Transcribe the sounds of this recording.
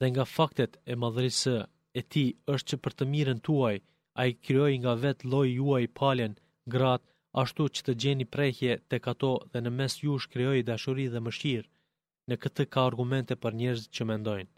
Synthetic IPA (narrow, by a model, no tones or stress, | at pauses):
ðɛŋɡafakt̪ɛt̪ɛmaðəɾisə | ɛt̪iəʃt̪̚t͡ʃəpəɾt̪əmiɾənt̪uaj | aikɾiɔjŋɡavɛt̪lˠɔjuajpʰalən | ɡɾat̪̚ | aʃt̪ut͡ʃə̥t̪əd͡ʑɛnipɾɛçjɛt̪ɛkat̪ɔðɛnəmɛsjuʃkɾiɔjd̪aʃuɾiðɛməʃiɾ | nəkət̪əkaːɾɡumɛnt̪ɛpəɾɲɛɾzit̪̚t͡ɕəmɛnd̪ɔjn